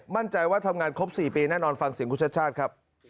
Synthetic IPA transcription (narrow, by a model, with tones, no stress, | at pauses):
ma˥˩nt͡ɕa˧jwaː˥˩t̪ʰa˧mŋaː˧nkʰo˦˥p̚siː˨˩piː˧nɛː˥˩nɔː˧nfa˧ŋsi˨˩˦əkʰu˦˥tt͡ɕʰa˦˥t͡ɕʰaː˥˩t̪̚kʰɾa˦˥p̚